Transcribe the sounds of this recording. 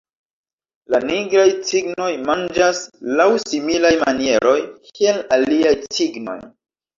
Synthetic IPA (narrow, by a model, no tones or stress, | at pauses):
laniɡɾajt͡siɡno̞jmand͡ʒaslawsimilajmanie̞ɾo̞jkielaliajsiɡno̞̰j